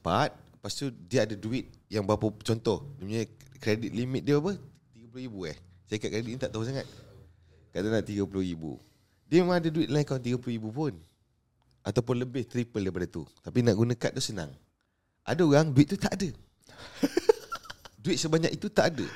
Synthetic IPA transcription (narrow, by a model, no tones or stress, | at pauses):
pat̪̚past̪udiəadaduɪt̪̚jaŋbaapət͡ʃɔnt̪ɔhdəmɲkɾedɪt̪̚limɪt̪̚diəapəh | t̪iɡapulʊhibuɛ̰h | saəkaʔ̚kɾedit̪̚iɲt̪aʔt̪aɦusaŋat̪̚ | kadanaʔt̪iɡapulʊhɾibṵ | diəmemãŋadəduɪt̪̚lajĩkawnt̪̬iɡapulʊhibupʊn | ʔat̪awpʊnləbɪht̪ɾipəldajpadət̪ṵt̪apinaʔɡunakat̪̚dʊsəna̰ŋ | ʔa̰daoɣaŋduit̪̚ːut̪aʔadə | duɪt̪̚səbaɲakit̪ut̪aʔadə̰